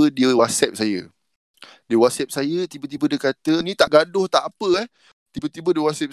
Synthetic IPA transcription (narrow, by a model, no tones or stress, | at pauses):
ədiəwasɛp̚sajə | diəwasɛp̚sajət̪ibət̪̬ibədiəkat̪ənĩt̪aʔɡadʊht̪aʔapəɛh | t̪ibət̪ibədiəwasɛp̚